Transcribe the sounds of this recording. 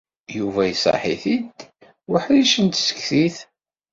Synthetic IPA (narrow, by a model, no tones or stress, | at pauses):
juvæjsˤɑ̰ħiθid̪ | wəħliʃənt̪sə̥kːθiθ